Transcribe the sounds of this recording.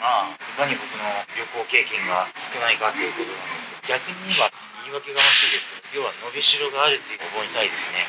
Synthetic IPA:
maːhɯkaɲ̟ibo̞kɯ̟no̞ɾʲo̞ko̞ːke̞ːkẽ̞ŋɡasɨ̥kɯ̟naikat̪ːejɯ̟kot̪o̞nãnd̪e̞sɨ̥ked̪oɡʲakɯ̟ɲ̟iβa | iːβake̞ɡaβaɕiɾid̪e̞sɨ̥ked̪ojʲo̞ːβano̞be̞ɕiɾo̞ɡaːɾɯ̟t̪ːe̞jɯ̟obo̞ːɲ̟it̪aid̪e̞sɨne̞

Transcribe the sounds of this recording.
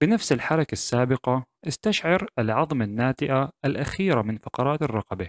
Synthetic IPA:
bɪnafsɪlħɑɾˤɑkasːaːbɪqɑʔɪst̪aʃʕɪɾalʕɑðˤmanːaːt̪ɪʔaalʔaxiːɾamɪnfɑqɑɾˤɑːt̪ɪrˤːɑqɑba

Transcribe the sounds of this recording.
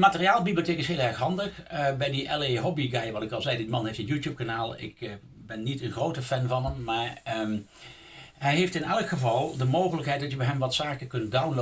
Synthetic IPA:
dəmaːtərijaːlˠbiblioteːkɪsɦeːlˠɛɹxɦɑndəxbɛjdiʔɛleɦɔbiɡajʋɑtɪkɑlˠzɛjddimɑnɦɛfjənjuːtjup̚kanaːlˠɪ̰k | bɛnːitənxrowtəfɛnvɑnəmːaːɹə | ɦɛjɦeftɪnɛlˠəkχəvɑlˠdəmowχələkɦɛjt̚dɑtjəbɛɦɛmʋɑtsaːkəkɵnt̚dawnlo

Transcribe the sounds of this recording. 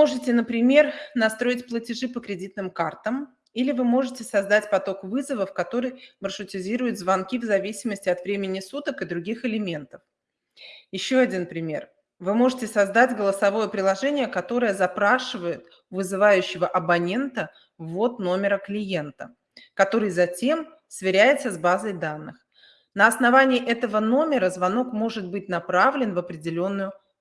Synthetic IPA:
moʐɨtʲɪnəpɾʲɪmʲe̞rnɐst̪ɾo̞ɪtʲplˠətʲɪʐɨpəkɾʲɪdʲit̪̚nɨmkart̪əm | ilʲɪvɨmo̞ʐɨtʲɪsɐzd̪atʲpɐt̪o̞kvɨzəvəfkɐt̪o̞ɾɨjmərʂʊtʲɪzʲiɾʊjʊt̪zvɐnkʲivzɐvʲisʲɪməsʲtʲɪɐt̪vɾʲemʲɪnʲɪsut̪əkɨd̪ɾʊɡʲixɪlʲɪmʲe̞nt̪əf | jɪɕːo̞ɐdʲinpɾʲɪmʲe̞̰r | vɨmo̞ʐɨtʲɪsɐzd̪adʲɡəlˠəsɐvo̞jəpɾʲɪlˠɐʐɛnʲɪjəkɐt̪o̞ɾəjəzɐpɾaʂɨvəjɪt̪ | vɨzɨvajʉɕːɪvəʔɐbɐnʲe̞nt̪ə | vːo̞t̪no̞mʲɪɾəklʲɪje̞nt̪ə | kɐt̪o̞ɾɨjzɐtʲe̞m | svʲɪɾʲæjɪt̪səzbazəjd̪anːɨx | nəɐsnɐvanʲɪːʔɛt̪əvəno̞mʲɪɾəzvɐno̞kmo̞ʐɨt̪̚bɨt̚ʲnɐpɾavlʲɪnvəpɾʲɪdʲɪlʲo̞nːʊjʊ

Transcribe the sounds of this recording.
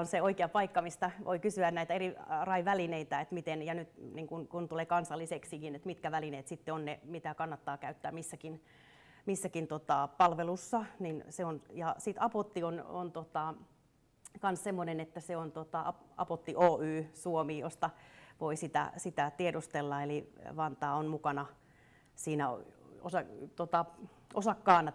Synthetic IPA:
onseoikeɑpɑikːɑmist̪ɑʋʔo̰ikysyænnæit̪æerirɑiʋælineit̪æet̪mit̪enjɑnyt̪niŋkunkunt̪uleːkɑnsɑlːiseksikinet̪mit̪kæʋælineːt̪sit̪ːeonnemit̪ækɑnːɑt̪ːɑːkæyt̪ːæːmisːækin | misːækint̪ot̪ɑpɑlʋelusːɑninseonjɑsit̪ɑpot̪ːiono̰nt̪ot̪ɑ | kɑnssemːonenet̪ːæseont̪ot̪ɑɑɑ̰pot̪ːiʔoːyːsuomiːjo̰st̪ɑʋoisit̪æ̰sit̪æt̪iedost̪elːɑeliʋɑnt̪ɑːonmukɑnɑ | siːnæo̰o̰sɑt̪ot̪ɑ | ʔosɑkːɑːnɑ

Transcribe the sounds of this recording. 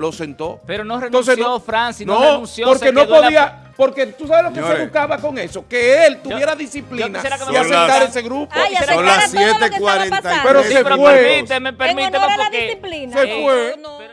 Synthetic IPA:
losent̪o̰peɾonoret̪õseofɾansinoenũnsjopoɾkenoðpoðia | po̞ɾke̞t̪us̬aβehlokeseβukaβako̞ŋe̞so̞keelt̪uββjeɾaðisiplinaseaiaset̪aɾeseɣɾupolasjet̪ekwaɾenapeɾoeweɾmit̪emepeɾmit̪eβapokelsefwe

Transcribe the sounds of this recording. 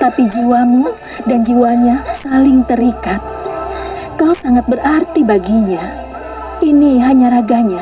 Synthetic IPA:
t̪apid͡ʒiwamu | dand͡ʒiwaɲasalɪŋt̪əɾikat̪̚ | kawsaŋat̪̚bərʔart̪ibaɡiɲa | iniɦaɲaɾaɡaɲa

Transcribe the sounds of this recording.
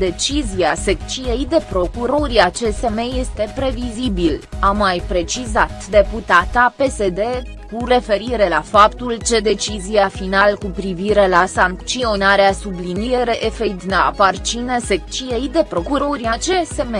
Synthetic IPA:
d̪e̞t͡ʃiziasekt͡ʃijejd̪e̞pɾo̞kuɾo̞ɾiat͡ʃese̞meje̞st̪e̞pɾe̞vizibilamːajpɾe̞t͡ʃizat̪d̪e̞put̪at̪ape̞se̞d̪e̞ | kure̞fe̞ɾiɾe̞lafapt̪ult͡ʃe̞d̪e̞t͡ʃizijafinalkupɾiviɾe̞lasaŋkt͡ʃionaɾeasublinieɾeʔefejd̪nea̰part͡ʃinesek̚t͡ʃijejd̪e̞pɾo̞kuɾoɾiat͡ʃeseme

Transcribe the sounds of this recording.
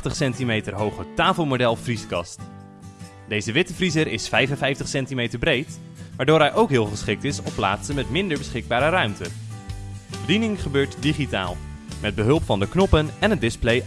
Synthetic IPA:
χtəχsɛntimejtərɦowχətaːfəlˠmodɛlˠvriskɑst | dejzəʋɪtəvrizəɾɪsfɛjfənvɛjftəχsɛntimejtəɹbrejt | ʋaːɹdoːɹɦɛjʔowkɦɪːlˠχəsχɪk̚tɪsɔpːla̰ːtsənmɛtmɪndəɹbəsχɪɡ̚baːɾərœɥmtə | bədinɪŋχəbøːɹtdiχita̰ːlˠmɛd̚bəɦɵlˠpfɑndəknɔpənɛnɦət̚dɪsplej

